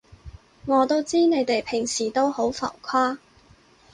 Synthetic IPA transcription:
ŋɔː˨˧t̪o˥wt͡siː˥ne˨˧jt̪e˨jpʰɪ˨˩ŋsiː˨˩t̪o˥who˨˥wfɐ̰˨˩wkʰaː˥

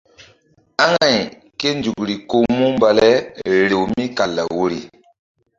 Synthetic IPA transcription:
a˦ŋa˨j | ke˦nd͡ʒu˨kɾi˨ko˦mu˦mba˨lɛ˦ɾe˨wmi˦ka˨lːa̰˨wo˦ɾi˨

